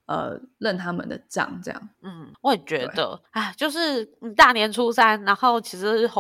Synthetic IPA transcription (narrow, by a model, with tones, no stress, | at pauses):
ʔə̰˨˩lə˥˨˩nt̪ʰa˥mə̰˨nd̪ə̰˩ʈ͡ʂɑ̰˥˨˩ŋʈ͡ʂɤ˥˧jɑ̰˥˩ŋn̩˥˩wɔ˧˦jɛ˨˩t͡ɕɥɛ˧˥˧d̪ə̰˧a˥˩t͡ɕjo˥˧ʊʂɻ̩˥˩˨t̪a˥˩njɛ˧˥nʈ͡ʂʰu˥sa˥nna˧˥nxo˥˩ʊt͡ɕʰi˧˥ʂɻ̩˧˥xo˧˦